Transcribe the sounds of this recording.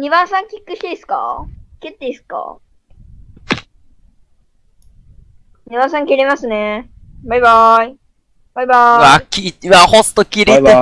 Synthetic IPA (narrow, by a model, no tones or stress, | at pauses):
ɲ̟iβãɰ̃sãŋkʲikːɯ̟ɕt̪eisɨ̥ka̰ket̪ːeisɨ̥ka̰ | ɲ̟ʲiβãs̬ãŋkʲiɾemasɨne | bajbai | b̥ajbaβakʲiβahost̪okʲiɾit̪e